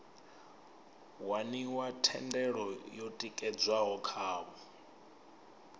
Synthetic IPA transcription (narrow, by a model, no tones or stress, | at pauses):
waniwatʰɛndɛɺɔjotʼikʼɛd͡zwaɦɔkʰaːβɔ